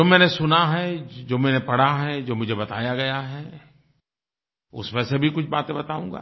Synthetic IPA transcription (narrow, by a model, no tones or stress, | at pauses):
oːmɛ̃ːnesʊnaɦɛd͡ʒoːmɛːnepɐɽ̤aɦɛd͡ʒoːmʊd͡ʒʱebɐt̪a̰ːjaɡɐjaɦɛː | ʊ̰smesebʱikʊt͡ʃʰbaːt̪ẽbɐt̪aːũːŋ̆ɡa̰ː